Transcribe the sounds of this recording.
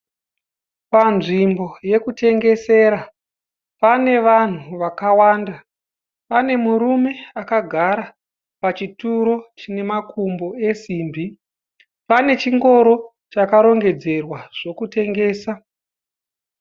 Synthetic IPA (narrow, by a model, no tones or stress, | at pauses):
panʐimbo̞je̞kute̞ŋɡe̞se̞ːɾa | pane̞ʋan̤uʋakawaːnda | pane̞muɾume̞akaɡʱaɾa | pat͡ʃituɾo̞t͡ʃine̞makumbo̞e̞siːmbi | pane̞t͡ʃiŋɡo̞ɾo̞ | t͡ʃakaɾo̞ŋɡe̞d͡ze̞rwaʐ̥o̞kute̞ŋɡe̞ːsa